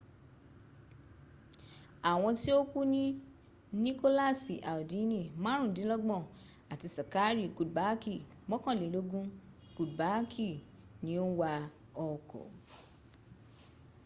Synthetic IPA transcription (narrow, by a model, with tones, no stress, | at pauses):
a˨w̃ɔ̃˧ti˦o˦ku˦nĩ˦ | nĩ˦ko˦la˦˨si˨ʔa˨o˨di˨˦nĩ˦˨mã˦ɾ̃ũ˦˨dĩ˨˦lɔ˦ɡ͡bɔ̃˦˨ | a˨ti˧sa˨ka˨˦ɾi˦˨ku˨ba˨˦ki˦˨ | mɔ̃˦kã˦˨lĩ˨˦lo˧˦ɡũ˦ | ku˨dba˨˦kʰi˦˨ | nĩ˦o˦wa˧ | ɔ˧kɔ̰˨